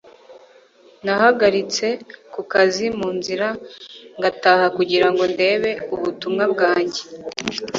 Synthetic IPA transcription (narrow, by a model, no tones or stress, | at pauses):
nahaɡaɾit͡se̞kukazimuːnziɾaŋɡatahakuɟiɾaŋɡo̞nde̞ːβe̞uβutumŋab̚ɡaːɲɟe